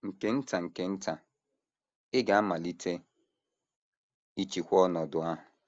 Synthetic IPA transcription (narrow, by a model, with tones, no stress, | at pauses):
ŋ̩˨ke˦n̩˦ta˨ŋ̩˨ke˦n̩˦ta˨ | ɪ˦ɡa˨a˦ma˨li˦tʰe˦ | i˦t͡ʃi˨kʷɔ˦nɔ˨dʊ˨a˦ɦʊ˨